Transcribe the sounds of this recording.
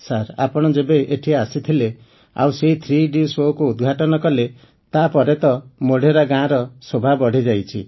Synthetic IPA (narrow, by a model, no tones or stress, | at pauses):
saɾa̰pɔɽ̃ɔd͡ʒebeʔeʈʰiaasit̪ʰile | a̰wseɦit̪ʰɾiɖisokuud̪ɡʱaʈɔnɔkɔle | t̪apɔɾet̪ɔmoɽ̤ʱeɾaɡãɾɔsobʱabɔɽ̤ʱid͡ʒajt͡ʃʰi